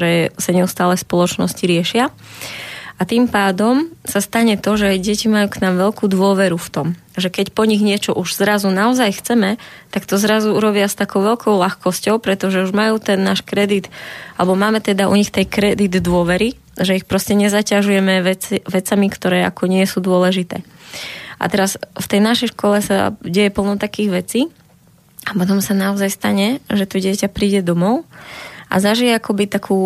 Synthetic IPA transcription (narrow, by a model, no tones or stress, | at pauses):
ɾɛːsaɲɛust̪aːlɛspɔlˠɔt͡ʃnɔsciɾɪɛʃɪa | at̪impaːd̪ɔmsast̪aɲɛt̪ɔʒɛajɟɛcimajuːknaːmʋɛʎkuːd̪ʊɔʋɛɾuft̪ɔm | ʒɛkɛcpɔɲiɣɲɪɛt͡ʃɔʔuʒ̥zɾazunaɔzajxt͡sɛmɛt̪akt̪ɔzɾazuuɾɔbɪast̪akɔʊʋɛʎkʰɔʊlaxkɔscɔʊpɾɛt̪ɔʒɛuʒmajuːt̪ɛnːaːʃkɾɛd̪it̪alɛbɔmaːmɛt̪ɛd̪aʔṵɲixt̪ɛjkɾɛd̪id̪ːʊɔʋɛɾi | ʒɛixpɾɔscɛɲɛzacaʒujɛmɛʋɛʋɛt͡samikt̪ɔɾɛːʔa̰kɔɲɪɛsud̪ʊɔlɛʒit̪ɛ̰ː | ʔa̰t̪ɛɾasft̪ɛjnaʃɛjʃkɔlɛsa̰ɟɛjɛpl̩ˠnɔʊt̪akiːɣʋɛt͡siː | apɔt̪̬ɔmsanaɔzajst̪aɲɛʒɛt̪ɔɟɪɛcapɾiːɟɛd̪ɔmɔʊʔa̰zaʒijɛakɔbit̪akʰuː